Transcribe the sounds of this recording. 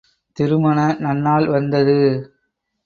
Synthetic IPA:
t̪ɪɾɯmɐɳɐnɐnːaːɭʋɐnd̪ɐðɯ

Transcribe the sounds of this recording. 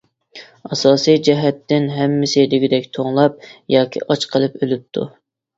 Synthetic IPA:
ɑsɑːsijd͡ʒɛɦɛt̪ʰːɪnɦɛmːɪsɪlɪɡʲid̪ɛkʲt̪ʰoŋlˠɑp̚jɑːkʲʰḭʔɑt͡ʃqʰəlˠɨpølyp̚t̪ʰṵ

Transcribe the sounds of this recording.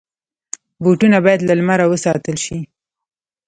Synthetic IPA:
boʈunabɑjad̪lalmaɾawəsɑt̪əlʃi

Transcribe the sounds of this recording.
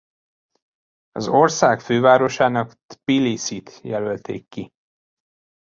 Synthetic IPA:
ɒ̰zo̞rsaːkføːvaːɾo̞ʃaːnɒk̪ | pilisit̪jɛlølt̪eːkːi

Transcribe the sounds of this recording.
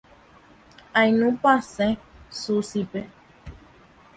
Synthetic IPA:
ajnũpasɛ̃susipe

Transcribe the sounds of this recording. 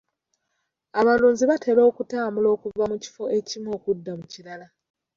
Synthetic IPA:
aβaluːɲziβatʰe̞lo̞ːkutaːmbulo̞ːkuvamuci̥fo̞ʔe̞cimo̞ːkudːamuciɾala

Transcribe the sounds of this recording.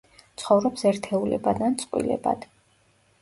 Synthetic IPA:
t̪sʰχɔvɾɔpsɛɾt̪ʰɛulɛ̰bad̪ant̪sʼqʼwḭlɛ̰ba̰d̪̥

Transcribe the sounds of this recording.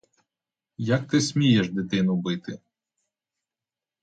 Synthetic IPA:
jak̚t̪ɪsʲmʲijɛʃd̪ɪt̪ɪnʊbɪt̪ɪ

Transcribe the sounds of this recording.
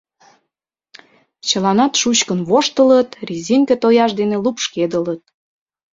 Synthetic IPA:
t͡ɕəlɑnɑt̪ʃut͡ɕkənβoʃt̪ələt̪rʲizʲiŋket̪ojɑʃd̪enelupʃked̪ələt̪̚

